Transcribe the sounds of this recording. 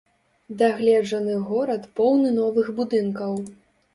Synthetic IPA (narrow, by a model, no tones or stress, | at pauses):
d̪aɣlʲɛd͡ʐɐnɨɣɔɾɐt̪pɔwnɨnɔvɨɣbud̪ɨnkɐw